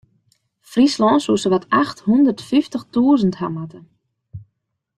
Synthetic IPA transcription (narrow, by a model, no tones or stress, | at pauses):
frislɔːnsusəʋatʰaxthundərtfiftəxtuəzənthamatə